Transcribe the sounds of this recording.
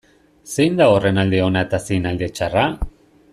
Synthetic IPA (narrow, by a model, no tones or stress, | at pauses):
se̞jnd̪aore̞nald̪eo̞naet̪asejnald̪e̞t͡ʃara